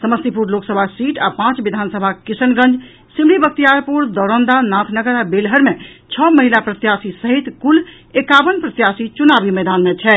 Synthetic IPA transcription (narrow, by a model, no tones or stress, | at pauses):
səməst̪ipuɾloksəbʱasiʈapãt͡ʃbid̪ʱansəbʱakisənɡə̃nd͡ʒ | simlibək̚t̪ijaɾpuɾd̪ɔɾənd̪anat̪ʰnəɡəɾabelɦəɾmet͡ʃʰɔməɦilapɾət̪jasisəɦit̪kul | ekabənpɾət̪jasit͡ʃunabimed̪anmet͡ʃʰɛ